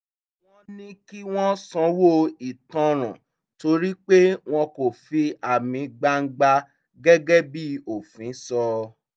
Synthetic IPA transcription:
w̃ɔ̃˦nĩ˦ki˦w̃ɔ̃˦sɔ̃˧˦wo˦˨i˨tɔ̃˧ɾ̃ã̰˨ | to˧˦ɾi˦k͡pe˦w̃ɔ̃˧ko˨fi˧a˨mĩ˨˧ɡ͡ba˧ŋ̩˦ɡ͡ba˧ | ɡɛ˦ɡɛ˦bi˦o˨fĩ˨˦sɔ˧

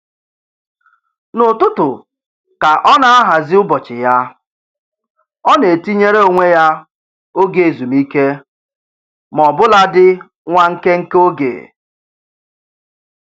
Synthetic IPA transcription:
nʊ˨tʊ˦tʊ˨ | ka˨ʔɔ˦na˦a˦ɦa˨zɪ˦ʊ˦bɔ˨t͡ʃɪ˨ja˦ | ɔ˦ne˨ti˦ɲe˦ɾe˦o˨ŋʷe˦ja˦ | o˦ɡe˨zu˨mi˦ke˦ | m˨ɔ˨bʊ˦la˦dɪ˦ | ŋʷa˦ŋ̩˦ke˦ŋ̩˦ko˦ɡḛ˨

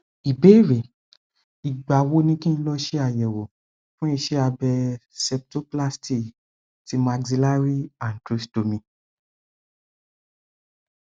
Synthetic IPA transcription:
i˨be˨˦i˦˨ɾe˨ | i˨ɡ͡ba˨wo˦nĩ˦kĩ˦ñ̩˦lɔ˦ʃe˦a˦˨jɛ˨wo˨ | fũ˦i˧ʃe˦a˧bɛ˧sɛ˧p̚to˦pla˦sti˦˨ | ti˧˦mã˧ɡzi˧la˦ɾi˦a˨n̩˨tɾi˨˦sdo˨mĩ˧

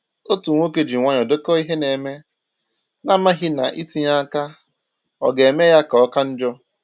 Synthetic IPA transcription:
o˦tu˨ŋʷo˦ke˨d͡ʒi˨ŋʷa˦ɲ˨ɔ˨do˦kɔ˦i˦ɦe˦ne˨me˦ | na˦ma˦ɦɪ˦na˨ʔi˦ti˦ɲa˦ka˦ | ɔ̰˨ɡe˨me˦ja˦ka˨ɔ˦ka˦n̩˦d͡ʒɔ˦

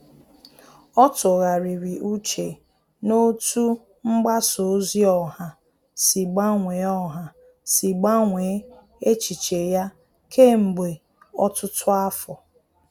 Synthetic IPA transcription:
ɔ˦tʊ˨ɣa˨ɾi˨ɾi˨ʔu˦t͡ʃe˨ | no˦tu˦ | ŋ͡m̩˦ɡ͡ba˦so˨˦zi˦ɔ˨ha˨ | si˨ɡ͡ba˦ŋʷe˨˦ɔ˦ɦa˨ | si˨ɡ͡ba˦ŋʷe˨˦ | e˦t͡ʃi˨t͡ʃe˨ja˦ | kʰe˦m̩˨ɡ͡be˨ | ɔ˦tʊ˦tʰʊ˦a˦fɔ˨

